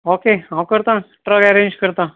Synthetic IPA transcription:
oːkeːɦãkəɾt̪ã | ʈɾəɡɛɾẽːnd͡ʒkəɾt̪ã

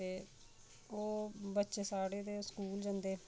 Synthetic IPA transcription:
eː | oːbətːʃeːsaːɽeːd̪eːskuːld͡ʒə̃ːnd̪eː

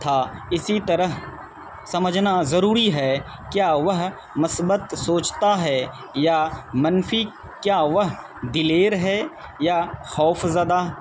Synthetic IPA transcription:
t̪ʰaːɪsit̪ɐɾəɦ | sɐməd͡ʒnazɐɾuːɾiɦɛ | kjaːʋɐɦ | mʊsbət̪soːt͡ʃt̪aɦɛ | jamɐnfi | kjaːʋɐɦ | d̪ɪleːɾɦɛː | jaxɔːfzəd̪aɦ

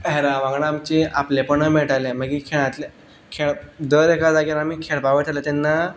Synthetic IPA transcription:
ɦeɾãʋãŋɡɳaːmt͡ɕeaplepəɳəmeɭʈaleməɡikʰeɭ̃ãt̪le | kʰeɭd̪əɾekad͡zaɡaɾamiːkʰeɭpaʋət̪ʰalət̪ɛnːa

